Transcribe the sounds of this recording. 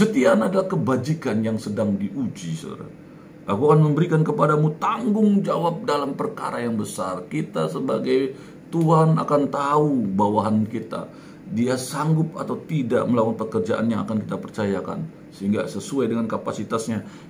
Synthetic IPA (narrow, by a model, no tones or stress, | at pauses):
sət̪ianadalahkəbad͡ʒikanjaŋsədaŋdiʔud͡ʒisəda̰ɾa̰ | ʔakuakanməmbəɾikankəpadamut̪aŋɡʊŋd͡ʒawap̚dalampərka̰ɾajaŋbəsarkit̪asəbaɡaj | t̪uɦana̰kant̪aubawaɦankit̪a̰ | diasaŋɡʊp̚at̪awt̪idaʔməlawanpəkərd͡ʒaʔa̰njaŋa̰kankit̪apərt͡ʃajaka̰n | səɦiŋɡasəsuajdəŋankapasit̪asɲa